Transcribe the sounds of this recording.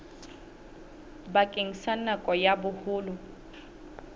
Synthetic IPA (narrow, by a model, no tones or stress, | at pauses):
bakʼeŋ̩sanakʼɔjabʊhʊːlʊ